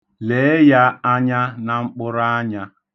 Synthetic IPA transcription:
le˨˦ja˦a˦ɲa˦na˨ŋ͡m̩˦k͡pʊ˦ɾa˦a˦ɲa˦

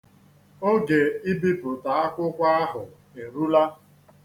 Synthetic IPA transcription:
o˦ɡe˨i˦bi˦pʊ˨ta˨a˦kʷʊ˦kʷa˦a˦ɦʊ˨ | e˨ɾu˦la˦

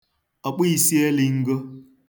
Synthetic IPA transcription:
ɔ˨k͡pi˦i˨si˦e˦li˨ŋ̩˦ɡo˦

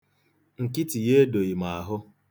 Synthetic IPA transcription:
ŋ̩˨kɪ˦ti˨je˦do˨i˨ma˨a˨ɦʊ˦

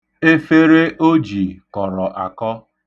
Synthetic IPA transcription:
e˦fe˦ɾe˦ʔo˦d͡ʒi˨kɔ˨ɾɔ˨ʔa˨kɔ˦

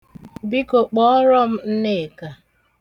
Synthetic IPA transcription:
bi˦ko˨k͡pɔ˦ɔ˦ɾɔ˦m̩˦n̩˦ne˦˨ka˨

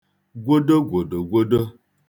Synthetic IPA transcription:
ɡʷo˦də˦ɡʷo˨do˨ɡʷo˦də˦

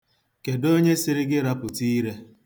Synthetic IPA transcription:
ke˨do˦ɲe˦sɪ˨ɾɪ˦ɡɪ˦ɾa˦pʊ˨tiː˦ɾe˦

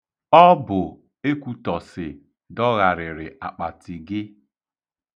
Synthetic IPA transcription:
ɔ˦bʊ˨ | e˦kʷu˨tɔ˨sɪ˨ | dɔ˦ɣa˨ɾɪ˨ɾɪ˨ʔa̰˨k͡pa˨tɪ˨ɡɪ˦

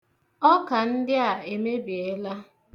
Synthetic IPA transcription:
ɔ˦ka˨n̩˦dɪ˦a˨e˨me˦bi˨e˦la˦

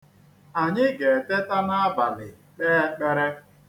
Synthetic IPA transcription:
a˨ɲɪ˦ɡe˨te˦ta˦na˦a˦ba˨lɪ˨ | k͡pe˦e˦k͡pe˦ɾe˦

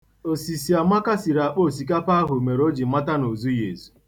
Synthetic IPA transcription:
o˨si˨si˨a˨ma˦ka˦si˨ɾa˨k͡po˦˨si˨k̬a˦pa˦ɦʊ˨me˨ɾo˦d͡ʒi˨ma˦ta˦no˨zu˦jḛ˨zu̥˨

